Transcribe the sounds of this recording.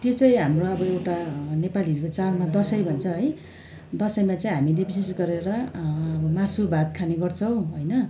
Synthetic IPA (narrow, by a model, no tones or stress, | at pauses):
t̪jot͡sʌj̃ɦamroʌbʌewʈanepaliot͡salmad̪ʌsʌjbʱʌnt͡sʰʌɦʌj | d̪ʌsʌjmat͡saĩɦamilebisesɡʌɾeɾʌʌmasubʱat̪̚kʰaneɡʌrt͡sʰʌw̃ɦojnʌ